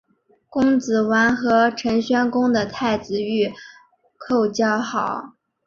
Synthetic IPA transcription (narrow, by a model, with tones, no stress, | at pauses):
kʊ˥ŋt͡sɹ̩˨˩wa˧˥nxɤ˧˥ʈ͡ʂʰə˧˥ŋɕɥɛ˥nkʊ˥ŋd̪ə˨t̪ʰa˥˩ɪt͡sɹ̩˧˩y˥˩ | kʰo˥˧ʊt͡ɕjɑ˥˩ʊxɑ˨˩˦ʊ